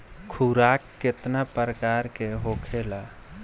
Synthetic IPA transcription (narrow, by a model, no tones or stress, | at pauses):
kʰuɾakːet̪napɾəkaɾkeɦokʰela